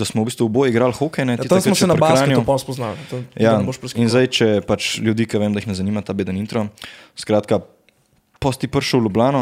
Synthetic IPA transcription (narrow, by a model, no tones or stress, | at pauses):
d̪asmɔwbiːst̪ʋuubojiɡɾaːlxoːkɛjnɛt̪it̪askmɔsɛnɐpɾbaɾaːnjɔpɔspɔznalt̪ojaboʃpinzajt͡ʃɛpat͡ʃljud̪iːkɐʋeːmd̪aixnɛzɐnimat̪aːbeːd̪ənint̪ɾɔskɾaːt̪ka | pɔst̪ipəɾʃəwlublaːnɔ